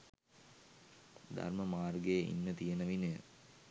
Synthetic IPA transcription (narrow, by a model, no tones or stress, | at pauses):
d̪a̰rməmaːrɡejʔḭnːət̪ijenɐʋinə